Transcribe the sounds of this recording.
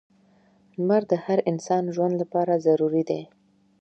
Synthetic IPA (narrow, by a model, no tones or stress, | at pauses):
maɾd̪əhaɾɪnsɑnʒwand̪lapɑɾazaɾuɾid̪e